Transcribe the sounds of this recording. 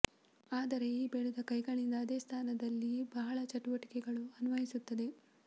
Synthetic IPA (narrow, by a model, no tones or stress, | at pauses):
aːd̪ɐɾe̞ibeɭud̪ɐkɐjɡɐɳind̪ɐːd̪eːst̪ʰaːnɐd̪ɐlːibɐɦɐɭɐt͡ʃɐʈuʋɐʈi̥kɛɡɐɭuɐnʋɐjisut̪ːɐd̪e̞